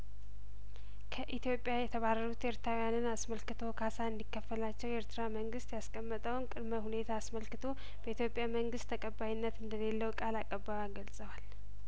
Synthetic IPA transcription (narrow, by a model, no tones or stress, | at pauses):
kʰəʔit̪jo̞pʼjajɛt̪ʰəβarːəɾut̪eɾt̪ʰɾawjanɨnasməlkɨt̪ʰo̞kʰasaɨnd̪ikːəfːəlat͡ʃːɛwjeɾt̪ʰɨɾaməŋɡɨst̪jaskʼəmːət̪ʼəwnkʼɨd̪məhune̞t̪ʰaːsməlkɨt̪ʰo̞ | b̥əit̪jo̞pʼːjaməŋɡɨst̪ʰːəkʼəbajinːət̪ɨnd̪əle̞lːəwkʼalakʼːəbːawaɡəlsʼəwal